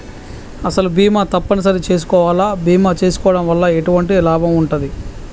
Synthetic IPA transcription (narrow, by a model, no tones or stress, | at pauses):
ɐsɐlubiːmaːt̪ɐpːɐnɐs̬ɐɾit͡ʃe̞ːs̬u̥kɔːʋaːlaːbʱiːmaːt͡ʃe̞ːsu̥kɔːʋɐɽɐmʋɐlːɐeʈuʋɐɳʈ̬ilaːbʱɐmuɳʈund̪i